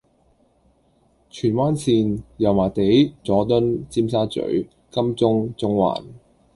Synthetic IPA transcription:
t͡ʃʰyː˨˩nwaː˥nsʰiː˧njɐ˨˩wmaː˨˩t̪e˨˥jt͡sɔː˨˥t̪ɵ˥nt͡siː˥msaː˥t͡sɵ̰˨˥ɥ | kɐ˥mt͡sʊ˥ŋt͡sʊ˥ŋwa̰ː˨˩n

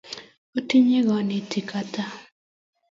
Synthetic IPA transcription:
o˦ti˦ɲe˦ɡɔ˨nɪ˨ti˨ka˦ta˦

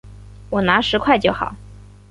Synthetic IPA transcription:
wɔ˨˩na˧˥ʂɻ̩˧˥kʰwa˥˧ɪt͡ɕjo˥˩ʊxɑ̰˨˩˦ʊ

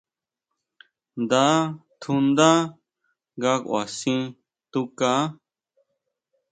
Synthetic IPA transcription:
nd̪a˦t̪ʰũ˧nd̪a˦ | ɡa˦kʔwa̰˨sĩ˦ | t̪u˦ka˦

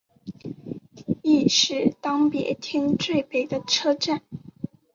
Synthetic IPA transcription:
i˥˧ʂɻ̩˥˩t̪ɑ˥ŋpjɛ̰˧˥t̪ʰi˥ŋʈ͡ʂwe˥˩ɪpe˨˩ɪd̪ə˦ʈ͡ʂʰɤ˥ʈ͡ʂa˥˩n

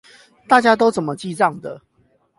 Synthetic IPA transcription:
t̪a˥˨t͡ɕja˦t̪o˥ʊt͡sə˨˩nmə˨t͡ɕi˥˧t͡sɑ˥˨ŋd̪ə̰˩

